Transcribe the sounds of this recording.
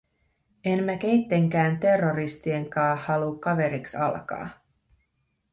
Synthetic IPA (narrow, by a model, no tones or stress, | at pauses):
enmæk̟e̞jt̪ːe̞ŋk̟æːnt̪e̞rːoɾist̪ie̞ŋkɑːhːɑlukːɑʋe̞ɾiksɑ̰lkɑ̰ː